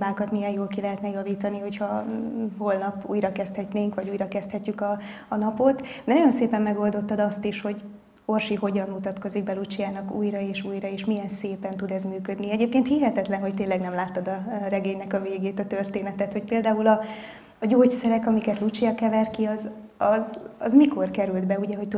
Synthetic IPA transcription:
baːkɒt̪mijɛnjoːlkilɛɦɛt̪nɛjɒviːt̪ɒniho̞chɒɦo̞lnɒpṵːjɾɒkɛst̪hɛtneːŋkʋɒɟuːjɾɒkɛst̪hɛcːykɒː | nɒpo̞t̪d̪ɛnɔjo̞nseːpɛmːɛɡo̞ld̪o̞t̪ːɒd̪ɒst̪iʃho̞ɟ | o̞rʃiɦo̞ɟɒnmut̪ɒt̪ko̞ziɡ̚bɛlut͡ʃijaːnɒkṵːjɾɒeːʃuːjɾɒeːʃmijɛnseːpɛnt̪ud̪ɛzmyːkø̞d̪niɛɟeːp̚keːnt̪hiɦɛt̪ɛt̪lɛnɦo̞c̚t̪eːnlːɛɡnɛmlaːt̪ːɒd̪ɒɾɛɡeːɲnɛkɒveːɡeːt̪ɒt̪ørt̪eːnɛt̪ɛt̪ho̞c̚peːld̪aːulɒː | ɟoːcsɛɾɛkɒmikɛt̪lut͡ʃijɒkɛvɛrkiɒz | ɒzɒzmiko̞rkɛɾyld̪bɛuɟɛɦo̞ct̪u

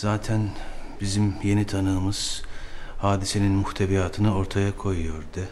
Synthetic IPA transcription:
z̥aːt̪ʰænbizimje̞nit̪ʰanɯːmɯz̥ | haːd̪ise̞ninmuht̪ʰeβijaːt̪ʰɯnɯo̞ɾt̪ʰajakʰo̞jujo̞ɾd̪ɯ

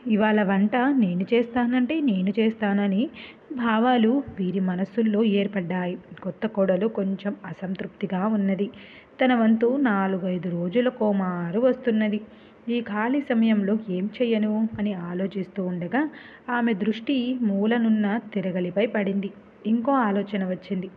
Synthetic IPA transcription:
iʋaːɭɐʋɐɳʈɐne̞ːnut͡ʃeːst̪aːnɐɳʈe̞ːne̞ːnut͡ʃeːst̪aːnɐni | bʱaːʋaːluʋiːɾimɐnɐsulːo̞ːeːɾpɐɖːaːjikɔt̪ːɐkɔːɽɐluko̞ɲt͡ʃe̞mɐsɐnt̪ɾup̚t̪iɡaːunːɐd̪i | t̪ɐnɐʋɐnt̪unaːluɡɐjd̪uɾo̞ːd͡ʒulɐkoːmaːɾuʋɐst̪unːɐd̪i | iːkʰaːlisɐmɐjɐmlo̞ːe̞ːmt͡ʃɛːjɐnuɐniaːlo̞ːt͡ʃist̪uːuɳɖɐɡaː | aːme̞d̪ɾuʂʈimuːlɐnunːɐt̪iɾɐɡɐlipɐjpɐɽind̪i | iŋko̞ːaːlɔːt͡ʃɐnɐʋɐt͡ʃːind̪i

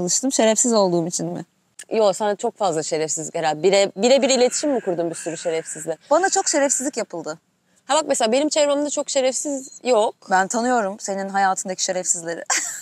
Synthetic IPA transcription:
alˠɯʃt̪ʰɯmʃe̞ɾɛfsizo̞lˠd̪uːmit͡ʃʰinmɪ̰ | josanat͡ʃʰo̞k̚fazlˠaʃe̞ɾɛfsizlʲicheɾald̪biɾɛbiɾɛbiɾilʲe̞t̪ʰi̥ʃimːikʰuɾd̪umbisyɾyʃe̞ɾɛfsizlʲɪbanat͡ʃʰo̞kʃe̞ɾɛfsizlʲicjapʰɯlˠd̪ɯ | hɛbak̚meseaːbe̞nimt͡ʃʰevɾammd̪at͡ʃʰo̞kʃe̞ɾɛfsizjok̚bænt̪ʰanɯjo̞ɾumse̞ninɦajaːt̪ʰɯnd̪acʰiʃe̞ɾɛfsizlʲeɾɪ

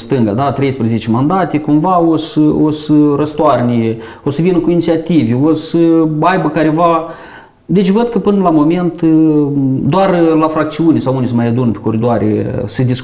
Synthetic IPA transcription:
st̪ɨŋɡad̪at̪ɾejspɾəzet͡ʃemand̪at̪ʲekumvaosəosərəst̪oarnʲe | osəvinəkuinit̪sʲiat̪ivʲeosəajbəkaɾeva | d̪e̞t͡ʃʲvəd̪̚kəpɨnəlamo̞me̞nt̪ | d̪oarlafɾak̚t̪siunʲesawunʲsəmajad̪unəpʲekoɾid̪oaɾʲḛsəd̪is

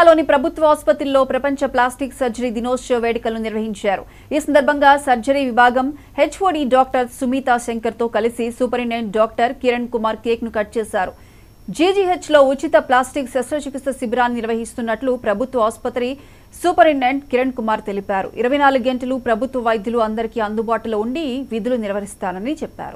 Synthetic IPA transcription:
lo̞ːnipɾɐbʱut̪ʋɐɦɐspɐt̪ilːo̞ːpɾɐpɐɲt͡ʃɐplaːsʈiksɐɾd͡ʒɐɾiːd̪inoːst͡ʃoːʋeːɽikɐlnuniɾʋɐɦiɲt͡ʃaːɾṵ | iːsɐnd̪ɐɾbʱɐŋɡaːsɐɾd͡ʒɐɾiːʋibʱaːɡɐmhe̞t͡ʃːʋoːɽiːɖaːk̚ʈɐɾsumiːt̪aːʃeŋkɐɾt̪o̞ːkɐlisisuːpɐɾiɳeɳɖɖaːk̚ʈɐɾkiɾɐɳkumaːɾkeːknukɐʈ̚t͡ʃeːsaːɾṵ | d͡ʒiːd͡ʒiɦet͡ʃlo̞ːut͡ʃit̪ɐplaːsʈiksɐsɾɐt͡ʃukist̪ːɐsibɾaːnːiniɾʋɐɦist̪unːɐʈlupɾɐbʱut̪ʋɐaːspɐt̪ɾi | suːpɐɾiɳeɳɖkiɾɐɳkumaːɾt̪e̞lipaːɾṵʔḭɾɐʋɐjnaːluɡeɳʈɐlupɾɐbʱut̪ʋɐʋɐjd̪ʱjuluɐnd̪ɐɾikiːɐnd̪ubaːʈɐlɐuɳɖiʋid̪ʱuluniɾʋɐɦist̪aːnɐnit͡ʃɛpːa̰ːɾṵ

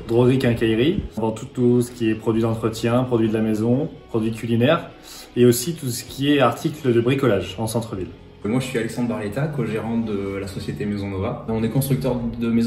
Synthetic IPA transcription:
d̪ʁɔɡʁikɛ̃kajʁivɑ̃t̪ut̪usə̥kʲiɛpχɔd̪ɥid̪ɑ̃t̪χət̪jɛ̃pχɔd̪ɥid̪əlamezɔ̃pχɔd̪ɥikʲylinɛʁ | eosit̪usə̥kʲʰiɛaʁt̪ʰikləd̪əbʁikɔlaʒɑ̃sɑ̃t̪χəvil | mwaʒəsɥialɛksɑ̃d̪ʁbaʁlet̪akoʒeʁɑ̃d̪əlasɔsjet̪emezɔ̃nɔvaɔ̃nɛkɔ̃st̪χyk̚t̪œʁd̪əmez̃

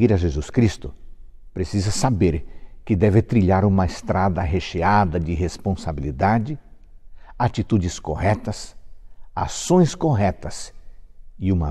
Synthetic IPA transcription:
iɾɐʒezuskɾist̪ʊ | pɾesizɐsabeɾkɪd̪ɛvɪt̪ɾiʎaɾũmɐɪst̪ɾad̪ɐɦeʃead̪ɐd͡ʒɪɦespõsabilid̪ad͡ʒɪ | at͡ʃit̪ud͡ʒɪskoɦɛt̪ɐs | asõj̃skoɦɛt̪ɐs | ɪũmɐ

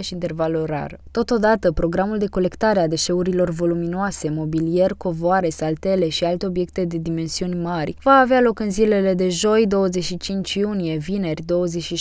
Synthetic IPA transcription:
ʃiint̪e̞rvaloɾa̰ɾət̪o̞t̪o̞d̪at̪əpɾo̞ɡɾamuld̪e̞ko̞le̞kt̪aɾead̪e̞ʃe̞uɾilo̞rvo̞luminoase̞mo̞bilije̞rko̞voaɾe̞salt̪e̞le̞ʃialt̪eo̞bje̞k̚t̪ed̪e̞d̪ime̞nsiunʲmarʲvaːvealo̞kɨnzile̞le̞d̪e̞ʒo̞jd̪o̞wəzeʃit͡ʃint͡ʃjunije̞vine̞rʲd̪o̞wəzeʃi

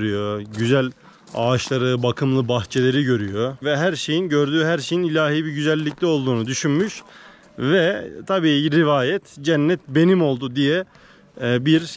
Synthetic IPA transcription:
ɾyjoɟyzælʲ | aːʃlˠaɾɯbakʰɯmlˠɯbaxt͡ʃʰe̞lʲe̞ɾiɟø̞ɾyjovɛɦæɾʃe̞jinɟøɾd̪yːɦæɾʃe̞jinilʲaːɦiːbiɾɟyzælʲːiclʲɛo̞lˠd̪uːnud̪yʃynmyʃ | vɛt̪ʰabiːɾivaːjɛt̪d͡ʒænːɛt̪be̞nimo̞lˠd̪ud̪ijɛ | biɾ

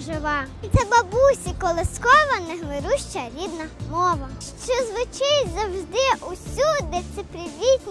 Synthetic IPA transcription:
ʒɪʋɑ | t̪sɛbɐbusʲikɔlˠɪskɔʋɐnɛɦmɪɾuʃt͡ʃɐɾʲid̪nɐmɔʋɐʃt͡ʃɔzʋʊt͡ʃɪjʲzɐwʒd̪ɪʔusʲud̪esɪpɾʲɪʋʲit̪ʲnʲ

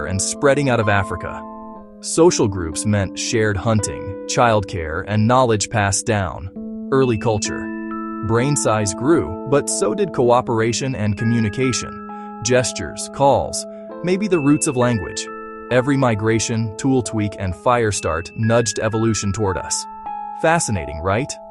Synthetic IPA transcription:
ɨ̰̃nspɹɛɾɪ̃ŋaʊɾʌvæfɹɨkə̰ | soʊʃl̩ˠɡɹʉ̰psmɛ̃ntʃɛɹd̚hʌ̃ntɪ̰̃ŋt͡ʃʰaɪlˠd̚kʰɛ̰ɹɨ̃nːɑlˠɨd͡ʒʒ̥pʰæsd̥ãʊ̃n | ɜ˞lˠikʰʌlˠt͡ʃə̰˞ | bɹẽɪ̃nsaɪzɡɹʉbʌtsoʊdɨd̚kʰoʊɑpə˞eɪʃɨ̃nɨ̃nkʰɨmjʉñɨkʰeɪʃɨ̰̃n | d͡ʒɛst͡ʃə̰˞z̥kʰɔ̰lˠz̥ | meɪbiðɨɹʉtsʌvlæ̃ŋɡwɪ̰d͡ʒ | ɛvɹimaɪɡɹeɪʃɨ̃ntʰulˠtʰwikʰɨ̃nfaɪə˞stɑ̰ɹtnʌd͡ʒdɛvəlʉʃɨ̃n̩tʰɔɹɾʌ̰s | fæsɨnḛɪɾɪ̰̃ŋɹaɪt̚

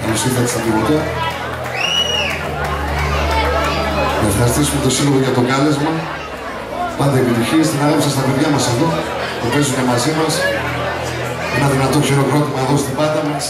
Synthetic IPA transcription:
ɐlosiθiɐt̪ist̪id̪inot̪e | ɐfɾɐst̪isume̞t̪o̞silolo̞ʝɐt̪o̞kɐle̞zmɐ | pɐnd̪epit̪içiest̪inɐlɐsɐst̪ɐpe̞ðʝɐmɐseðo | t̪ope̞zume̞mɐzimɐs | e̞nɐðinɐt̪o̞çeɾo̞ɣɾo̞t̪imɐðo̞st̪ibɐd̪ɐmɐs

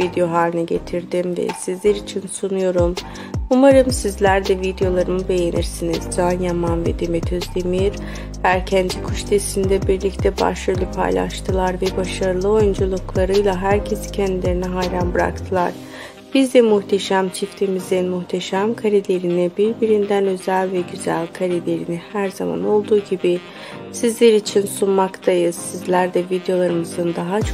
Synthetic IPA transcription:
vid̪ejo̞ɦaːɾinɛɟe̞t̪ʰiɾd̪imvɛ̰sizlʲeɾit͡ʃʰinsunujo̞ɾum | umaɾɯmsizlʲæɾd̪ɛvid̪ejo̞lˠaɾɯmɯbe̞jeniɾsinizd͡ʒanjamanvɛd̪emɛt̪ʰøzlʲemijiɾ | hæɾcʰɛnd̪ikʰuʃd̪ʰesind̪ɛbiɾlʲict̪ʰɛba̰ʃylʲypʰa̰jlˠa̰ʃt̪ʰɯlˠaɾvɛbaʃaɾɯlˠɯo̞jund͡ʒulˠuklˠaɾɯjlˠaɦæɾcʰe̞si̥cʰɛnd̪ilʲe̞ɾinɛɦajɾanbɯɾa̰kt̪ʰɯlˠaɾ̥ | b̥izd̪ɛmuht̪ʰeʃæmt͡ʃʰift̪ʰemizinmuht̪ʰeʃæmkʰaɾilʲe̞ɾinibiɾbiɾind̪ænø̞zælʲvɛɟyzæ̰lʲkʰaɾilʲe̞ɾinihæɾzama̰no̞lˠd̪uːɟibi | sizlʲeɾiːt͡ʃʰinsunmakt̪ʰajɯsizlʲæɾd̪ɛvid̪ejo̞lˠaɾɯmɯzɯnd̪aɦat͡ʃʰ

